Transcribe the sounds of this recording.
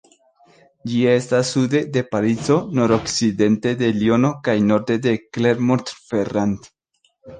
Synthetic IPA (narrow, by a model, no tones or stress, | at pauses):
d͡ʒie̞stasːud̪e̞d̪e̞paɾit͡so̞noɾoksid̪e̞nte̞d̪e̞lio̞no̞kajno̞ɾd̪e̞d̪ekle̞ɾmoɾt̪ferand̪